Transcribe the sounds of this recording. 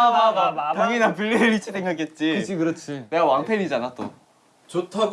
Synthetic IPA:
aataŋinapuɭːiɾɯɾit͡ɕʰisʰeŋɡaket̚t͡ɕ͈iikɯɾʌt͡ɕʰine̞ɡawaŋpʰeɾid͡ʑanat͈o̰ | t͡ɕotʰaɡ

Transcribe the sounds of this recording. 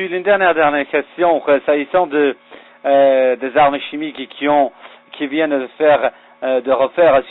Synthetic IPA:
ilynd̪ɛʁnjɛʁd̪ɛʁnɛʁkʲɛst̪jɔ̃ʁəsaisɑ̃d̪ə | d̪ezaʁməʃimikkʲʰiɔ̃ | kʰʲivjɛnəəfɛʁ | d̪əʁəfɛʁs

